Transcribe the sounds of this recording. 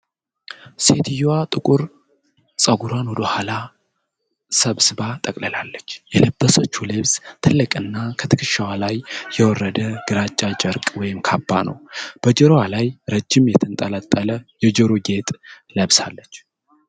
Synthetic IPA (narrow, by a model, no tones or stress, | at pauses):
se̞t̪ʰɨjowat̪ʼɨkʼuɾ | sʼəɡuɾwanwɔd̪əhala | səβsɨbat̪ʼəkʼləlalːət͡ʃːjɛləbːəsət͡ʃːulɨβst̪ʰɨlːɨkʼɨnːakʰət̪ʰɨkʰɨʃawalajːɛwɔrːəd̪əɡ̥ɨɾat͡ʃʼːat͡ʃʼəɾkʼwɔjɪmkʰabːanə̰wb̥əd͡ʒɛɾowalajɾəd͡ʒːɪmjɛt̪ʰɨnt̪ʼələt̪ʼːələjɛd͡ʒɛɾoɡe̞t̪ʼ | ləβsalːət͡ʃː